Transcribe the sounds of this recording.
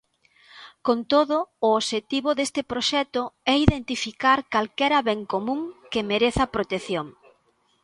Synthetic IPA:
kont̪oðʊːoʃet̪iβʊðest̪ɪpɾoʃɛt̪ʊɛiðent̪ifikaɾkalkɛɾɐβɛŋkomũŋkɪmeɾeθɐpɾot̪eθjoŋ

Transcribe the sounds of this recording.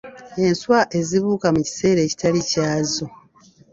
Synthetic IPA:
e̞nswaʔe̞ziβuːkamuci̥se̞ːɾe̞ːci̥talicaːzo

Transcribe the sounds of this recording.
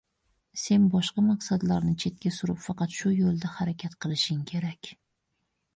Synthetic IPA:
se̞nbɒʃqɑmɑqsad̪laɾnɪt͡ʃʰe̞t̪̚kʲasʊɾɪpfɑqɑt̪ʃʊjolˠd̪ahaɾakʲʰat̪qʰɨlˠɪʃɪŋkʲʰe̞ɾakʲ

